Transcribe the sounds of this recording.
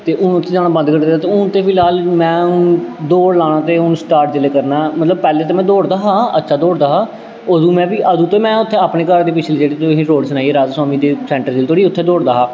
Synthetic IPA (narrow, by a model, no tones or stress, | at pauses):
t̪eːʔʊnʊt̪ʰːeːd͡ʒaːnaːbə̃nd̪kəɾd̪eːd̪aːt̪eːʊnt̪eːpʰɪlɦaːlmɛ̃ːʊd̪oːɽlaːɽ̃aːt̪eːʊnsʈaːɾʈd͡ʒɪleːkəɾnaːmət̪ləb̚pɛːleːt̪eːmɛ̃ːd̪oːɽd̪aːɦaːə̰tːʃʰaːd̪oːɽd̪aːɦaː | əd̪ũːmɛ̃ːʋiːʔəd̪ũːt̪eːmɛ̃ːʊt̪ʰːeːaːpneːkəɾd̪eːpɪt͡ʃʰleːd͡ʒeːɽet̪oɦiːɾoːɖsənaːieːɾaːd͡ʒswaːmiːd̪eːsɛ̃ːɳʈəɾd͡ʒeːlt̪ʰoːɽiːʊt̪ʰːeːd̪oːɽd̪aːɦaː